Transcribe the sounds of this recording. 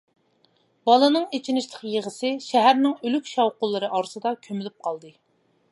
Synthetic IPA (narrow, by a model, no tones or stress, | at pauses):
bɑlˠɨnɨŋet͡ʃʰinɪʃlˠʰəqjeʁəsɨʃɛɦæɾnɪŋølykʲʃɑwqʊlˠːɨɾɨʔɑɾɨsɨd̪ɑkʲʰømɪlyp̚qʰɑlˠd̪ɨ